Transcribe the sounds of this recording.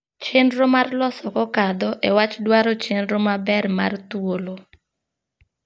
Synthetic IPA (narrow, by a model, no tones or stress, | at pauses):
t͡ʃendɾomarlɔsɔkɔkad̪ɔʔɛwat͡ʃdwaɾɔt͡ʃendɾomabɛrma̰rt̪wolo